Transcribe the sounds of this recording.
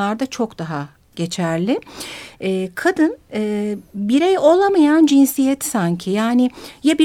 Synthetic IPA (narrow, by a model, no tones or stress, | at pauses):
aɾd̪at͡ʃʰo̞kd̪̥aɦa | ɟ̥e̞t͡ʃʰæɾlʲɪ | ɛːkʰad̪ɯnɯːbiɾɛjo̞lˠamajand͡ʒinsijɛt̪saɲcʰijaːnɪjabi